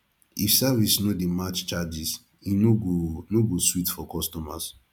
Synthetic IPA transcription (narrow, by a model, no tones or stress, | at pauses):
ifsavisnodemat͡ʃt͡ʃad͡ʒis | inoɡonoɡoswitfɔkɔstɔmas